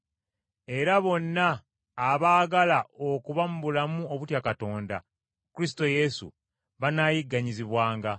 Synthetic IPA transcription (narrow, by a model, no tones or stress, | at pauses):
e̞ɾaβo̞nːaː | βaːɡalao̞kuβamuβulamuo̞βutjakato̞ːnda̰ | kuɾis̬i̥to̞je̞sṵ | βanaːjiɡːaɲiziβwaːŋɡa